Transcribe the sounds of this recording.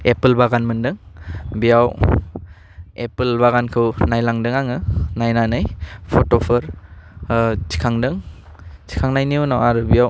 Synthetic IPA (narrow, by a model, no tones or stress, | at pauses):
epɯlbaɡanmɯndɯŋbijaw | epɯlbaɣankʰɯwnajlaŋdɯŋaŋɯnajnanɯjpʰɔtɔpʰɯɾ | t͡ʃʰi̥kʰaŋdɯŋ | t͡ʃʰi̥kʰaŋnajniunawaɾɯbijaw